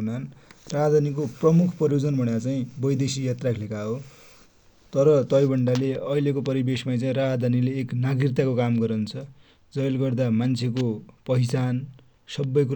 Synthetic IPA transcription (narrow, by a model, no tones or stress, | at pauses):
nanraɦd̪ʱanikoprʌmukʰpʌɾjod͡zʌnbʱʌɽjat͡saĩbʌjd̪esijat̪rakʰlekaɦo | t̪ʌɾʌt̪ʌjbʱʌɳɖaleʌjlekopʌɾibesmat͡saĩraɦd̪ʱanileːknaɡrit̪ːakokamɡʌɾʌnt͡sʰʌ | d͡zʌjlɡʌrd̪amant͡sʰekopʌisan | sʌbːʌjk̬u